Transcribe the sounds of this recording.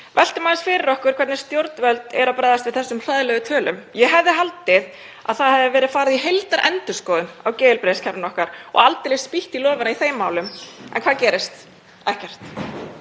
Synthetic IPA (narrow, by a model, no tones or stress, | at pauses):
vɛl̥t̪ɪmaːðɪsfɪːɾɪɾɔhkʏɾkʰɛɾt̪nɪɾ̥st̪jowɾt̪nvœlt̪ɛ̰ɾapɾajðast̪vɪðθɛsːʏmr̥aðlɛɣʏt̪ʰœːlʏmjɛɦɛvðɪɦalt̪ɪð | a̰ðθaðhɛvɪvɛːɾɪðfaːɾɪðiɦejlt̪aɾʔɛ̰nt̪ʏskɔːðʏnawceːðɪlpɾescʰɛɾvnɔhkaɾɔ̰ɣalt̪ɪlɪspiht̪ilɔːvɪnaiθeːjmːaːwlʏmɛ̰nkʰvaːðcɛːɾɪst̪ | ɛhcɛr̥t̪